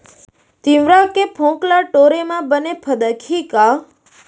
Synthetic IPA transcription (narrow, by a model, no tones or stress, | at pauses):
t̪ĩʋɾakepʰõklaʈoɾemãbənepʰəd̪əkʰika